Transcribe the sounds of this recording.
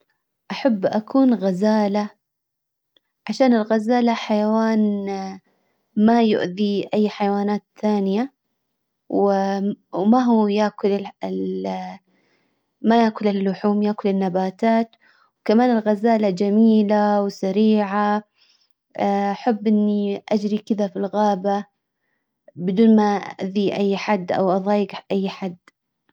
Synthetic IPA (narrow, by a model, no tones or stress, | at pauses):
ʔaħabːʔakʰuːnɣazaːla | ʕaʃaːnɪlɣazaːlaħajawaːn | majʊ̰ʔðiʔajːħajawaːnaːt̪θaːnɪja | wɪwmaɦujaːkʊlɪɪl | majaːkʊlɪlːʊħuːmjaːkʊlɪnːabaːt̪aːt̪ | wkamaːnɪlɣazaːlad͡ʒamiːlawsaɾiːʕa | aħabːʔɪnːiʔad͡ʒɾikɪðafilɣaːba | bɪd̪uːnmaʔa̰ʔðiʔajːħad̪ːʔa̰wʔɑðˤɑːjɪɡʔajːħad̪ː